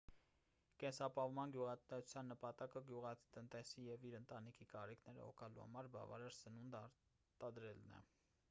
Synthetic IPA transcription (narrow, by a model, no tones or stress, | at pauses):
kɛnsɑpɑvmɑnɡjuʁɑɛu̥t͡sʰjɑnːəpɑt̪ɑkəɡjuʁɑ̥t̪ənt̪ɛsijɛviɾənt̪ɑnikʰikɑɾikʰnɛɾə̰hɔ̰kʰɑlṵhɑ̰mɑɾbɑ̰vɑ̰ɾɑɾsənund̪ɑɾ | t̪ɑd̪ɾɛlnɛ̰